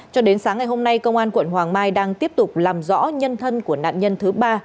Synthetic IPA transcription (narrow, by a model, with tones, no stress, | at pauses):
t͡ɕɔ˧ɗe˨˦nsaː˨˦ŋːa˨˩jɦo˧mna˧jkə˧wŋ͡mʔaː˧nkwə̰˧˩nhwaː˨˩ŋmaː˧jɗaː˧ŋt̪i˦˥əp̚t̪ʊ˨˩k͡p̚laː˨˩mzɔ̰˧˥ɲə˧nt̪ʰə˧nku˧˩əna̰ː˧˨nɲə˧nt̪ʰɨ˨˦ɓaː˧